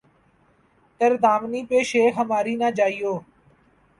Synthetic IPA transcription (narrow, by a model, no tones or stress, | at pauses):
t̪əɾd̪aːmniːpeːʃeːkɦəmaːɾiːnaːd͡ʒaːijoː